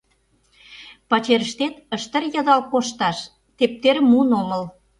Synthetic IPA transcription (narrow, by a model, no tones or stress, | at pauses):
pɑt͡ɕeɾəʃt̪et̪ə̆ʃt̪ə̆rjɑd̪ɑlkoʃt̪ɑʃ | t̪ep̚t̪ermunomə̆l